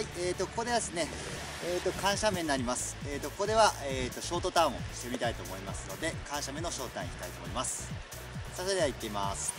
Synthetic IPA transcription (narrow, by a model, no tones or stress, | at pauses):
aieːt̪o̞ko̞ko̞d̪e̞βad̪esɨne̞ | eːt̪ːo̞kãɰ̃ɕamenːaɾʲimasɨ̥eːt̪ːo̞ko̞ko̞d̪e̞βaeːt̪ːo̞ɕo̞ːt̪o̞t̪ãɰ̃o̞̰ɕi̥t̪e̞mʲit̪ait̪o̞ːmo̞imasɨno̞d̪e̞kãɰ̃ɕamẽ̞no̞ɕo̞ːt̪oã̰ii̥t̪ait̪oːmoimasɨ̥ | sased̪eait̪ːe̞ima̰sɨ̥